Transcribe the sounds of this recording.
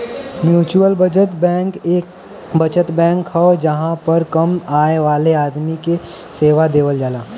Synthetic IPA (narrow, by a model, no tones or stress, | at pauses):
mjuːt͡ʃuəlbəd͡ʒət̪bkeː | bɐt͡ʃət̪bɛ̃ːŋkhɐd͡ʒɐɦãpɐɾkɐmaːeʋaːleaːd̪mike | seːʋad̪eːʋəld͡ʒaːlaː